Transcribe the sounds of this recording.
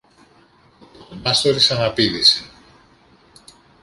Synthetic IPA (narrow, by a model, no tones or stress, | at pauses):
mast̪oɾisaŋapiðise